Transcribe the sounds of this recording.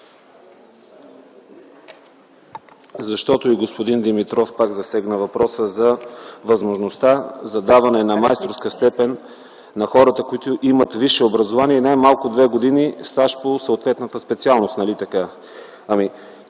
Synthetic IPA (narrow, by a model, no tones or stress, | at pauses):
zɐʃt̪ɔt̪oiɡospod̪ind̪imit̪ɾɔfpakzɐsɛɡnəvɐpɾɔsəzɐvɐzmoʒnost̪azɐd̪avɐnɛnɐmajst̪ɾofskəst̪ɛpɛnː | ɐxɔɾət̪əkoit̪oʔimət̪viʃɛobɾɐzovaniɛnajmalˠkʊd̪vɛɡod̪inist̪aʃposəot̪vɛt̪nət̪əspɛt̪sialˠnost̪nɐlit̪ɐka | ami